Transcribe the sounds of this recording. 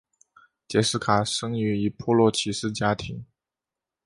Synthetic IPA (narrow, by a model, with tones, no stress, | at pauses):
t͡ɕjɛ˧˥sɹ̩˥˩kʰa˨˩ʂɤ˥ŋy˧˥i˨˩pʰɔ˥lwɔ˥˩t͡ɕʰi˨˩ʂɻ̩˥˩t͡ɕja˥t̪ʰi˧˥ŋ